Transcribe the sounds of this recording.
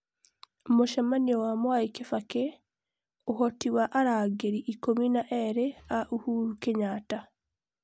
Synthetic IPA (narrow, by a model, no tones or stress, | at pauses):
omoʃamaniowamwaikefake | ohotiwaʔaɾaːɡeɾiʔikominaʔeɾeaʔuhuɾukeɲaːta